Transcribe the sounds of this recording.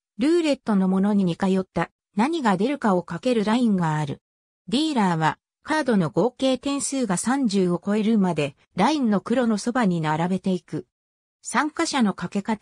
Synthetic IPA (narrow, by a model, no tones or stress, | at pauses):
ɾɯ̟ːɾe̞t̪ːo̞no̞mo̞no̞ɲ̟iɲ̟ikajo̞t̪ːa | naɲ̟iɡad̪e̞ɾɯ̟kao̞kake̞ɾɯ̟ɾaĩŋɡaːɾɯ̟ | d̪ʲiːɾaːβ̞a | kaːd̪o̞no̞ɡo̞ːke̞ːt̪ẽ̞ɰ̃sɨːɡasãɲ̟d͡ʑɨːɡo̞ko̞e̞ɾɯ̟mad̪e̞ | ɾainːo̞kɯ̟ɾo̞no̞so̞baɲ̟inaɾabe̞t̪e̞ikɯ̟ | sãŋkaɕano̞kake̞kat̪